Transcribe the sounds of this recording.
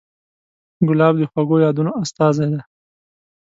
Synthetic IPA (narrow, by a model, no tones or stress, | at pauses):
ɡʊlɑbd̪əxwaɡojɑd̪unoast̪ɑzajd̪a